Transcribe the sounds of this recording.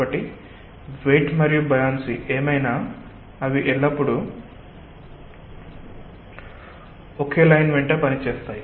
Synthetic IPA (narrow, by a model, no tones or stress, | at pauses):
ɐʈːi | ʋejʈmɐɾijubɐjaːnsiʔeːmɐjnaː | ɐʋiʔɛɭːɐpːuɽu | oke̞ːlɐjnʋeɳʈeːpɐnit͡ʃeːst̪aːji